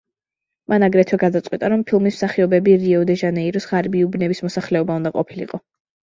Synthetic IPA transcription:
manaɡɾɛt̪ʰwɛɡad̪at̪sʼqʼwit̪ʼaɾɔmpʰilˠmism̥saχiɔbɛbiɾiɔd̪ɛʒanɛiɾɔsʁaɾbiubnɛbismɔsaχlɛɔbaund̪aqʼɔpʰilḭqʼɔ

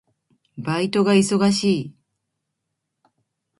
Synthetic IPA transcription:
bait̪o̞ɡaiso̞ɡaɕiː

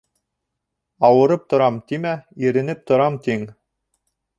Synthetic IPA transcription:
ɑwɤ̆ɾɤp̚t̪ŏɾɑmt̪imæiɾɘ̆nɘp̚t̪ŏɾɑmt̪iŋ

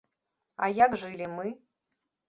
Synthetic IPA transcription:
ɐ̰jaɡʐɨlʲimɨ

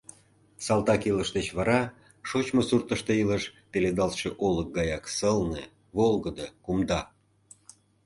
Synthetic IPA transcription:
sɑlt̪ɑkiləʃd̪et͡ɕβɑɾɑ | ʃot͡ɕmosurt̪əʃt̪eiləʃpeled̪ɑlʃeʔolək̚ɡɑjɑksəlnḛ | βolɣəd̪əkumd̪ɑ

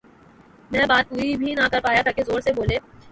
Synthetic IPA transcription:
mɛ̃ːbaːt̪̚ɦuibʱinakɐɾpaːjat̪ʰɐkezoːɾseboːleː

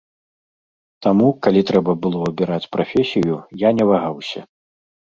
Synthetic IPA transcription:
t̪amukalʲit̪ɾɛbɐbɨlˠɔubʲiɾat͡sʲpɾafʲɛsʲijujanʲɛvaɣawsʲɐ̰

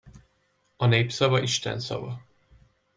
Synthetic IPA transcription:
ɒneːpsɒvɒʔiʃt̪ɛ̰nsɒ̰vɒ

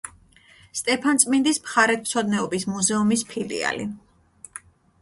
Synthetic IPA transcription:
st̪ʼɛpʰant̪sʼmind̪ismχaɾɛt̪̚ʰmt̪sʰɔd̪nɛɔbismuzɛumispʰilḭa̰lḭ

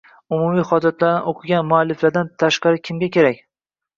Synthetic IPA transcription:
ʊmumijχɒd͡ʒat̪laɾnɪʔoqʰɨɡʲanmʊalːɪflaɾd̪ant̪ʰaʃqɑɾɪkʲʰɪmɡʲakʲʰe̞ɾakʲ

